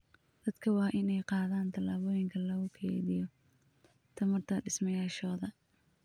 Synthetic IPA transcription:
d̪̥ɐd̪kʰɐwɑːʔɪnɛjqɑːðaːnt̪ʰɐlaːβɔːjɪŋkʰɐlɐɣʊkʰɛ̰ːðɪjɔ | t̪ʰɐmɐrt̪ʰɐɖɪsmɐjaːʃɔːðɐ

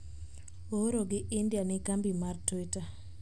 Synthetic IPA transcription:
oɾoɡɪʔɪndjanɪkambimartweta

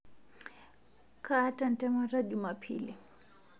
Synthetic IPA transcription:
kʰatan̩tɛmaɾaʄumapʰḭli

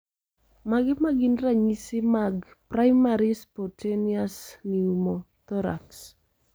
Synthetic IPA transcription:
maɡɛmaɡinraɲisɪmaɡ | prajmaɾispɔtʰeniasniumo | t̪ɔɾa̰ks

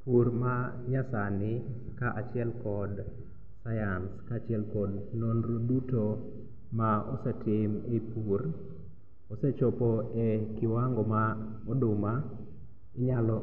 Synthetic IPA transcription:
puɾma | ɲasanɪ | kaʔat͡ʃɪɛlkɔd | sajanskaːt͡ʃɪɛlkɔdnonɾoduto | maɔ̰sɛtɪmepur | ɔsɛt͡ʃɔpɔekɪwaŋɡɔma | ɔdʊma | ɪɲalɔ

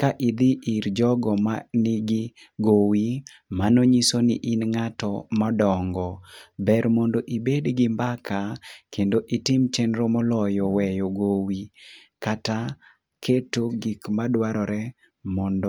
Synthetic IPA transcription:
kaʔɪd̪ɪʔiɾd͡ʒɔɡɔmanɪɡi | ɡowi | manoɲisonɪʔɪnŋatɔmɔdɔŋɡɔbɛɾmɔndoʔibedɡɪmbakʰakʰendoʔitɪmt͡ʃɛnɾomɔlɔjɔwɛjoɡowi | kata | kʰetoɡikmadwaɾɔɾɛ | mɔndɔ

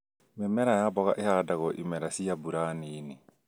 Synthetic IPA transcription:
memɛɾajabɔɣa̰ʔehadaɡɔʔḭmɛɾasijabuɾaːnini

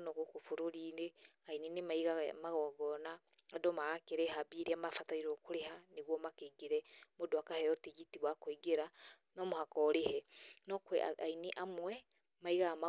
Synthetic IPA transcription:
nɔɣokofoɾoɾine | aininemaiɣamaɣɔɡɔna | adɔmaakeɾɛɦabiɾiamafataiɾɔkoɾeɦaneɣwɔmakeiɡeɾɛmodoakahɛɔteɣitiβwakoiɡeɾa | nɔmohakɔɾehɛnɔkwɛ̰aineʔamwɛ | maiɣama

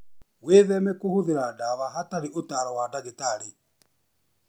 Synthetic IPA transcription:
weːðɛmɛkohoðeɾadaβaɦataɾeotaɾɔwadaɣetaɾe

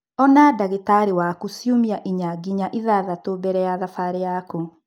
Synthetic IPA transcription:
ɔnadaɣetaɾewakusjomiaʔiɲaɡiɲaʔiðaðatobɛɾɛjaðafaɾejaku

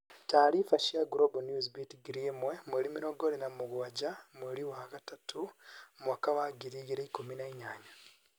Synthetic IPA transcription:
taːɾifaʃjaɡɾobonjuzbitiɡiɾimwemweɾimiɾoɡolinamuɡwaɟamweɾiwahakatatʰumwakaβaɡiɾiɡiɾeikuminaiɲaːɲa

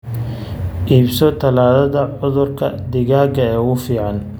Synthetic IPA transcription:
ʔiːbsɔt̪ʰɐlaːðɐðɐʕʊðʊrkʰɐ̰d̪ɪɣaːɡɐɛːʊfiːʕɑn

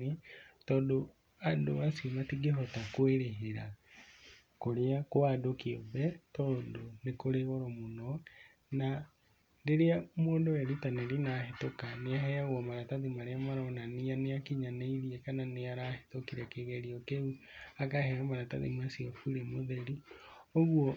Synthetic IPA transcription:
etɔːndo | adoasiomatiɡeɦɔtakweɾeɦeɾa | koɾeakoadokeɔbɛtɔːndonekoɾeɣɔɾɔmonɔ | na | deɾeamoːndowɛɾitaneɾinaːhetokaneaɦɛaɣwɔmaɾataðimaɾeamaɾɔnanianeakiɲaneiɾiɛkananeaɾahe̥tokiɾɛkeɣɛɾiɔkeuakahɛamaɾataðḭmasiɔfuɾemoðɛɾioɣwɔ

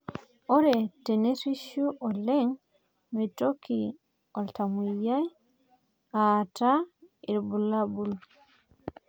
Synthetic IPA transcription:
ɔɾɛtɛneɾiʃuʔɔlɛŋ | mitokʰi | ɔltamujaj | ataiɾbulabul

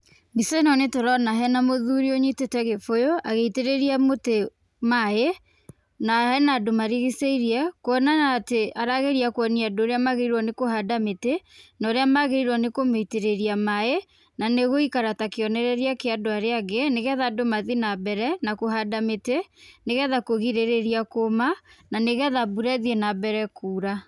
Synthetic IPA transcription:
misɛnɔnetoɾɔnaɦɛnamoðuɾioɲetetɛɣefojoaɣeiteɾeɾiamote | mae | nahɛnaːdomaɾiɣiseiɾiɛkoɔnanaːteʔaɾaɣeɾiakwɔniadoːɾeamaɣeɾiɾwɔnekoɦadametenaoɾeamaɣeɾiɾwɔnekomeiteɾeɾiamae | naneɣoikaɾatakeɔnɛɾɛɾiakeadoaɾeaɡeneɣɛðadomaðinabɛɾɛnakoɦadameteneɣɛðakoɣiɾeɾeɾiakomananeɣɛðabuɾɛðiɛnabɛɾɛkuːɾa

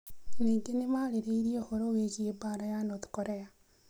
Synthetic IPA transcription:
niːŋɡenemaːɾeɾeiɾiohoɾoweɣiebaːɾajanoti̥koɾea

